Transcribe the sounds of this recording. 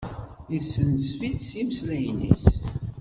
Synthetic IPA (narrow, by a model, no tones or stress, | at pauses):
isːənsfidsimslæjnḭs